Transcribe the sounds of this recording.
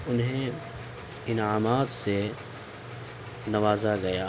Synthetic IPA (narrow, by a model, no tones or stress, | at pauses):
ʊnɦẽ | ɪnaːmaːt̪se | nɐʋaːzaɡɐjaː